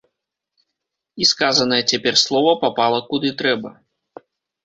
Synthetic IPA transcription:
iskazɐnɐjɛt͡sʲapʲɛrslˠɔvɐpapalˠɐkud̪ɨt̪ɾɛbɐ

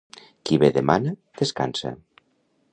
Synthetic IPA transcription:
kiβeðemanad̪̥eska̰nsa̰

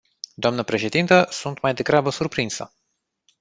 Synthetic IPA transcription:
d̪oamnəpɾe̞ʃe̞d̪int̪əsunt̪majd̪e̞ɡɾabəsurpɾinsə̰

